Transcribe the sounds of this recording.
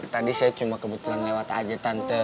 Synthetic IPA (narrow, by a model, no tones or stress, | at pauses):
t̪adisajat͡ʃumakəbut̪ulanlewat̪a̰d͡ʒət̪ant̪ə